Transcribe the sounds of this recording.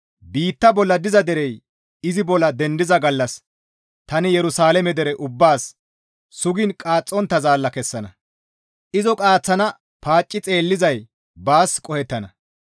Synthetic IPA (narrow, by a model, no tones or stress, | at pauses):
biːt̪ːɐbɔlːɐd̪ɪzɐd̪ɛɾɛj | ɪzɪbɔlːɐd̪ɛnd̪ɪzɐɡɐlːɐs | t̪ɐnɪjɛɾʊsaːlɛmɛd̪ɛɾɛʔʊbːaːsː | ʊɡɪnkʼaːt͡sʼːɔnt̪ːɐzaːlːɐkɛsːɐnɐ̰ | ʔɪzɔkʼaːt͡sːɐnɐ | paːt͡ʃʼːɪt͡sʼe̞ːlːɪzɐj | baːskʼɔhɛt̪ːɐnɐ